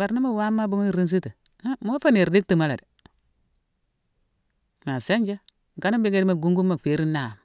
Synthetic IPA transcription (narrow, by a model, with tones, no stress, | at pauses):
ba˨ɾna˦ma˦wa˦mːa˦bu˦ŋ˦i˦˨ɾi˦ns̬i˦ti˨˦ | mo˦fa˦ni˨ɾdi˦k̚ti˨ma˦la̰˨di˨ | ma˨se˦ɲd͡ʒe˦ | ŋ˨ka˦na˦bi˦ɡe˦di˦ma˨ɡu˦ŋɡu˦mːa˨fe˨˦ɾi˦na˨m˨